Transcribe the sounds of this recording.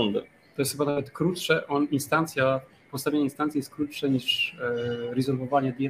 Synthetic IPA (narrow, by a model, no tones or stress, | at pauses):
und̪ɛ̰ | t̪ɔjɛst̪xɘbanavɛt̪kɾutʂɛʔɔninst̪ant̪sʲja | pɔt̪st̪avʲeɲeinst̪ant̪sʲijɛst̪kɾutʂɛɲiʂ | ɾɛzɔɾvɔvaɲɛd̪jɛ